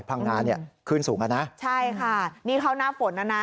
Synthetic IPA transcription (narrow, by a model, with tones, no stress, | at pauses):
pʰa˧ŋːaː˧nːi˥˩ɐkʰɯː˥˩nsuː˩˦ŋka˧na˦˥t͡ɕʰa˥˩jkʰa˥˩niː˦˥˩kʰa˦˥˩wnaː˥˩fo˨˩˦nʔa˧˥˩na˦˥